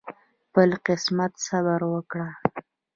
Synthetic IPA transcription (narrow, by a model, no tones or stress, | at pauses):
pəlqɪsmat̪xabaɾwəkɽa